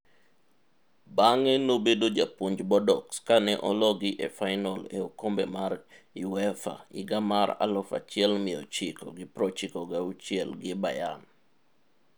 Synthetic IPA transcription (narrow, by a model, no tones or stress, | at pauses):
baŋɛnobedod͡ʒapuɲd͡ʒbɔdɔkskanɛʔɔlɔɡɪʔefaɪnɔleokombɛmaɾ | iwɛfa̰ɪɡamaɾa̰lɔfa̰t͡ʃɪɛlmɪɔ̰t͡ʃɪkɔ̰ɡɪpɾɔt͡ʃɪkɔɡaut͡ʃjɛlɡɪbajan